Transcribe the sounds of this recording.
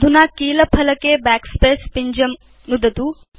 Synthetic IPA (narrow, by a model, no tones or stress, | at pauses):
d̪ʱunakiːləpʰɐləkeːbæːkspeːspiɲd͡ʑɐm | nud̪ʱɐt̪uː